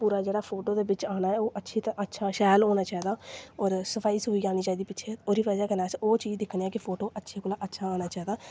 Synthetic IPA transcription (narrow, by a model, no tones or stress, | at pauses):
puːɾaːd͡ʒeːɽaːpʰoːʈoːd̪eːbɪt͡ʃaːnaːɛːoːʔətːʃʰiːt̪əʔətːʃʰaːʃɛːloːnaːt͡ʃaːiːd̪aːɔːɾsəpʰaːiːsɦoːiːaːɽ̃iːt͡ʃaːid̪iːpɪt͡ʃʰeːoːɾiːʋaːd͡ʒaːkəɾnaːsoːt͡ʃiːd͡ʒd̪ɪkʰñiːaːkɪpʰoːʈoːʔətːʃʰeːkoːlaːʔətːʃʰaːaːñaːt͡ʃaːid̪aː